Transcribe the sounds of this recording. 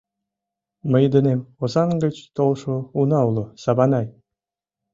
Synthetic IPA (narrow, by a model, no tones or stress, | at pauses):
mə̆jd̪ə̆nemozɑŋɡə̆t͡ɕt̪olˠʃounɑulˠŏsɑβɑnɑj